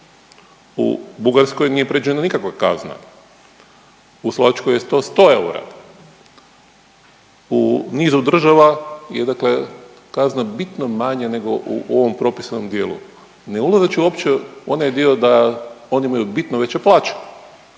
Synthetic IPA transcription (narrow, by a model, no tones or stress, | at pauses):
ṵbuɡaɾsko̞jnijepɾed͡ʒujenanikakʋaka̰zna̰ | uslˠoʋat͡ʃkojest̪o̞st̪o̞ːe̞uɾa̰ | uniːzud̪r̩ʒaʋajed̪akle̞ | kaznabit̪nomaɲene̞ɡo̞ʔṵʔo̞ʋo̞mpɾo̞pisano̞md̪je̞ːlṵ | neulˠazat͡ɕiuopt͡ɕeonajd̪iod̪ao̞niimajubit̪noʋe̞t͡ɕeplˠaːt͡ʃe̥